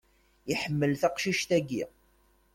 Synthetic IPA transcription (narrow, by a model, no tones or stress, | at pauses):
iħəmːəlθæqʃiʃt̪æɡḭ